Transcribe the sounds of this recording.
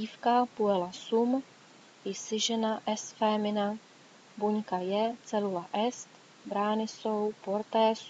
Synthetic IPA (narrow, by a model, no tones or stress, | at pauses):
iːfkapuɛlasum | ɪsɪʒɛnaʔɛst̪fɛːmɪna | buɲkajɛt͡sɛlulaʔɛst̪ | bɾaːnɪsowpoɾt̪ɛːs